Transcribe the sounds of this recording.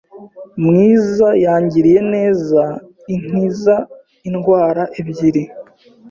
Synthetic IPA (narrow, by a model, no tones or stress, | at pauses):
mŋiːzajaːɲɟiɾije̞ne̞ːza | iŋ̥iza | inɡwaːɾaʔebɟiɾi